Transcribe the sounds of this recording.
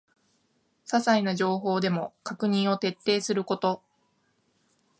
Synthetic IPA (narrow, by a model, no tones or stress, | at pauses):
sasainaʑo̞ːɦo̞ːd̪e̞mo̞kakɯ̟ɲ̟ĩɰ̃o̞t̪e̞t̪ːe̞ːsɨɾɯ̟ko̞t̪o̞